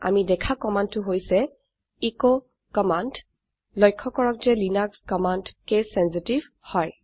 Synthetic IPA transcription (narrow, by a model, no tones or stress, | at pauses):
a̰midɛkʰakɔmandtʊɦojsɛ | iko | kɔmand | lɔjkʰːɔkɔɹɔkzɛlinakskɔmandkesɛnsitiv | hɔj